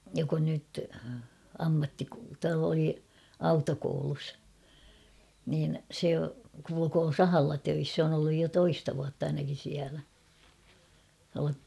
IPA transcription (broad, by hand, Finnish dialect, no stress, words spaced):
jok on nyt ɑmːɑtːiko oli ɑutokoulus niːn̞ se kulukoː sɑhɑlːɑ tøis sĕ on olːuj jo toistɑ ʋuɑtː ɑinɑkin̞ siælæ tuɑlɑ